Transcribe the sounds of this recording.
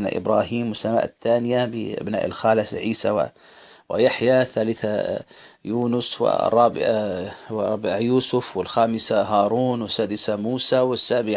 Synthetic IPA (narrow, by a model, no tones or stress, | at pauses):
na̰ʔɪ̰bɾˤɑːhiːmwɪsːama̰ːʔt̪ːaːnɪjabɪʔa̰bna̰ːʔɪ̰lxaːlɪsʕiːsawa̰wɪ̰jaħjaθaːlɪθa | juːnʊswɪ̰rˤːɑːbɪʕawˤɑbɪʕajuːsʊfwɪlxaːmɪsaɦɑːɾˤuːnwɪsːaːd̪ɪsamuːsawɪsːaːbɪʕ